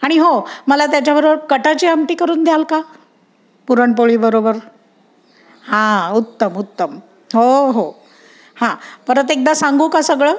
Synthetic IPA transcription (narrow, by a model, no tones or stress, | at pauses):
aɽ̃iɦoməlat̪jat͡ɕjabəɾobəɾkəʈat͡ɕiːəmʈiːkəɾuːnd̪jalka | puɾəɳpoɭiːbəɾobəɾ | hãut̪ːəmut̪ːəm | ɦoɦo | hãpəɾət̪ek̚d̪asãŋɡʱũːkasəɡɭəː